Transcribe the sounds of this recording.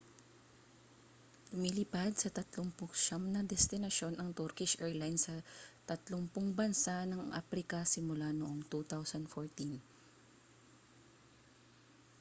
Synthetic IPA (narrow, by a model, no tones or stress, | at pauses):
ʊmilɪpad̪̚sɐt̪ɐt̪loŋpʊkʃamnɐd̪ɛst̪ɪnɐʃo̞nɐŋt̪uɾkɪʃʔɛɹlajnsɐt̪ɐt̪loŋpʊŋbɐnsanɐŋʔa̰pɾɪkɐsɪmʊlanoʔoŋt̪ut̪awsɐnd̪foɹt̪in